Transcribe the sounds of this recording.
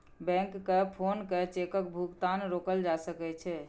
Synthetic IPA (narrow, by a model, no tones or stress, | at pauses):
bɛ̃ŋkːepʰonket͡ʃekəkbʱukt̪anɾokəld͡ʒasəkɛt͡ʃʰɛ